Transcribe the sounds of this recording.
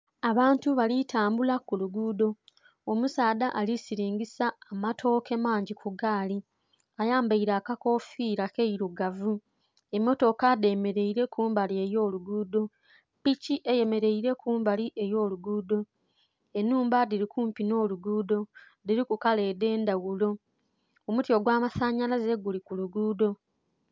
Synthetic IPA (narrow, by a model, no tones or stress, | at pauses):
aβaːntuβalitʰaːmbulakuluɡuːdo̞ | omusaːdaʔalisiɾiːɲɡisaːmatʰo̞ke̞maːɲɟikʰuɡaːli | ajaːmbaiɾaːkako̞fiːɾakeiɾuɡavu | e̞mːo̞to̞kade̞me̞ɾe̞iɾe̞kuːmbalie̞jo̞ːluɡuːdo̞ | piciʔe̞je̞me̞ɾe̞iɾe̞kʰuːmbaliʔe̞jo̞ːluɡuːdo̞ | enːuːmbadiɾikuːmpino̞ːluɡuːdo̞ | diɾikukale̞ːde̞ːndawulo̞ | omutjo̞ɡwaːmasaɲalaze̞ɡulikuluɡuːdo̞